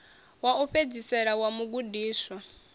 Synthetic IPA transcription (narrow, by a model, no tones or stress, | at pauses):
wauɸed͡zisɛɺawamuɡudiːswa